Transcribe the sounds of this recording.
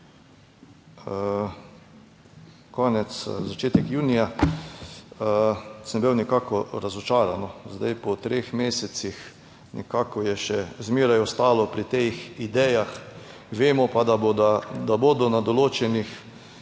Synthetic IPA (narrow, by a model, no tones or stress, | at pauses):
kɔːnɛt̪szat͡ʃeːt̪ɛkjuːnija | əsnbiwnikaːkɔɾazɔt͡ʃaːɾanɔzd̪a̰jpɔt̪ɾeːxmeːsɛt̪six | nʔɛ̰kaːkɔjɛʃɛzmeːɾajɔst̪aːlɔpɾit̪exid̪ɛːjax | ʋeːmɔpad̪abd̪ad̪aboːd̪ɔnad̪ɔloːt͡ʃɛnix